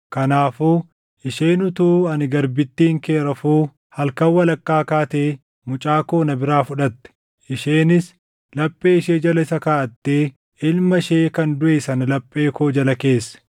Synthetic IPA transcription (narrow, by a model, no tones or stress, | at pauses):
kɐnaːfuː | ʔɪʃeːnʊt̪uːɐnɪɡɐɾbɪt̪ːiːŋkeːɾɐfuː | hɐlkɐwːɐlɐkːaːkaːt̪eː | mʊt͡ʃʼaːkoːnɐbɪɾaːfʊᶑɐt̪ːɛ̥ | ɪʃeːnɪs | lɐpʼːe̞ːɪʃeːd͡ʒɐlɐɪsɐkaːʔɐt̪ːeː | ɪlmɐʃeːkɐnd̪ʊʔeːsɐnɐlɐpʼːe̞ːkoːd͡ʒɐlɐke̞ːsːɐ̥